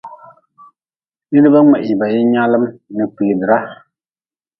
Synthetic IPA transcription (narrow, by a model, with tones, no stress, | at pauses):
dɨ˦dɨ˦ba˦ŋɛ˨ʔi˨ba˨jɪ˦ɲa˦lɨ˦mnɨ˨pi˨ɣdɨ˨ɾa˦